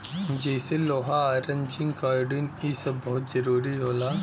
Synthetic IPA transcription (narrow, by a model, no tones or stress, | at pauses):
d͡ʒɛːseloːɦaaːɾẽɲd͡ʒɪ̃ŋɡkaːɾɖinisɐbbɔɦʊt̪zɐɾuːɾiɦoːlaː